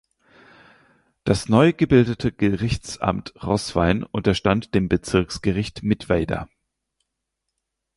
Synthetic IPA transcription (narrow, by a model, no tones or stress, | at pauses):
d̥asnɔʏɡəbɪldətʰəɡ̥əʁɪçt͡sʔa̰mtʁɔsv̥a̰ɪnʔʊntɐʃtantd̥eːmbət͡sɪɐksɡ̥əʁɪçtmɪtv̥ɛɪdɐ̰